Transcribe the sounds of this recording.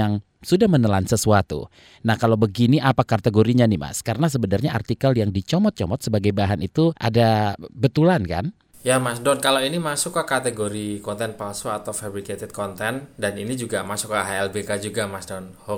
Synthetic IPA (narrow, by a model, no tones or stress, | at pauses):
aŋ | sudahmənəlansəsuat̪ṵ | nahkalawbəɡiniʔapakat̪eɡoɾiɲanima̰skaɾənas̬əbənarɲaʔa̰rt̪ikaljaŋdit͡ʃɔmɔt̪̚t͡ʃɔmɔt̪səbaɡajbaɦanʔit̪uʔa̰dabət̪ulanka̰n | jamasdɔnkalawinimasʊkːakat̪eɡoɾikɔnt̪ɛnpalsoat̪awfabɾiket̪ɛd̪̚kɔnt̪ɛndaninid͡ʒuɡamasʊkaɦaɛlbekad͡ʒuɡamasdɔnho